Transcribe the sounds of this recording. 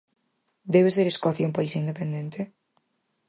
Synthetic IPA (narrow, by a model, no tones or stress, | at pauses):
d̪ɛβ̞eseɾeskɔθjaũmpaisind̪epend̪ent̪e